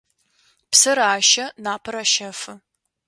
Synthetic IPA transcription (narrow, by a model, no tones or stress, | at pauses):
psɨɾaːʃɐnaːpʰɐɾaʃɐfɨ